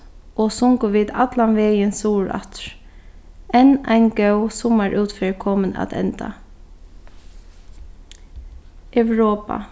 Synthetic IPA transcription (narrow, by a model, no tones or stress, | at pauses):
ɔsʊŋkʊʋiːd̪at̪lanʋeːjənsuːɹa̰t̪ɹ | ɛnaɪnɡœwsʊmaɹʔʉːt̪fɛɹkʰɔːməna̰t̪ɛ̰nt̪a̰ | ɛwɹoːpa̰